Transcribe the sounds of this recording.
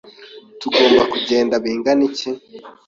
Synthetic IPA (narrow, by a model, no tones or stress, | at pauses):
tuɡo̞ːmbakuɟe̞ːndaβiːŋɡanice